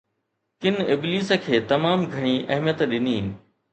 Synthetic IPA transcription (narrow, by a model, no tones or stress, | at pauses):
kɪnɪbliːsə̆kʰeːt̪ɐmaːmɡʱɐɽ̃iʔɐɦmijət̪ɗɪniː